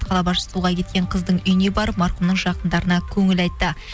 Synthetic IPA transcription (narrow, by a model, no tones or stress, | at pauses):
t̪qʰɑlˠɑbɑʃəsuʁɑkʲʰe̞t̪̚kʲe̞ɴqʰəzd̪əɴʏjne̞bɑɾpmɑɾqəmnəɴʒɑqənd̪ɑɾənɑkʲʰɵŋɪlɑjt̪ːə